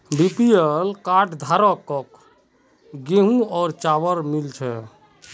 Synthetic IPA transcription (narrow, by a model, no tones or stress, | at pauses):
bipielkaʈʰd̪ʱaɾɔkːɔk | ɡeɦũɔːɾt͡ʃaʋəɾmilt͡ʃʰɛ